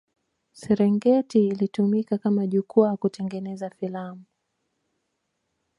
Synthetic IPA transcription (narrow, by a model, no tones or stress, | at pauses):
sɛɾɛŋɡɛtiːlitumikakamaʄukuakutɛŋɡɛnɛzafilamu